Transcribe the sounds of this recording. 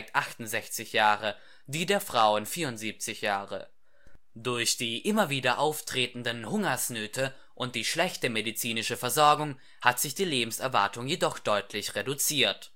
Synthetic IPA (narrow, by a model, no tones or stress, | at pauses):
k̚tʔaχtn̩zɛçt͡sɪçjaːʁə | d̥iːdeːɐfʁ̥aʊənfiːɐʁʊntz̥iːp̚t͡sɪçjaːʁə̰ | d̥ʊɐçd̥iːʔɪmɐviːdɐʔaʊftʁ̥eːtn̩dənhʊŋɐsnøːtʰə | ʔʊnt̚d̥iːʃlɛçtəmedit͡siːnɪʃəfɛɐzɔɐɡʊŋ | hatz̥ɪçd̥iːleːbm̩sɛɐva̰ɐtʊŋjedɔχd̥ɔʏtʰlɪçʁedut͡siːɐt